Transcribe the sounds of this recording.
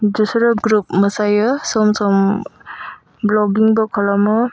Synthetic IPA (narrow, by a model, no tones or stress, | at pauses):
d͡ʒusɾɔp̚ɡɾup̚mɐsajɯsɔmsɔm | blɔɡiŋbɔkʰɔlamɯ